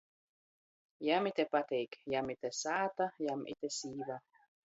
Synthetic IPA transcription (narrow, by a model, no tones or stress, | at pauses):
jamit̪epat̪ejkjamit̪esaːt̪ajamʔḭt̪ɛsiːva